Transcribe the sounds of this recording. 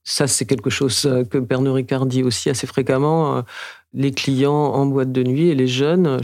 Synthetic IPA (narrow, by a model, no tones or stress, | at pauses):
sasɛkʲɛlkəʃozøkəpɛʁnoʁikaʁd̪iosiasefχekamɑ̃ø̰ | leklijɑ̃ɑ̃bwat̪̚d̪ənɥieleʒœn